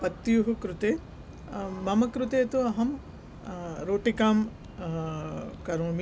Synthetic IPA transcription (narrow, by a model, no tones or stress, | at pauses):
pɐt̪ːjuɦukɾut̪eː | mɐmɐkɾut̪eːt̪uɐɦɐm | ɾoːʈikaːm | kɐɾoːm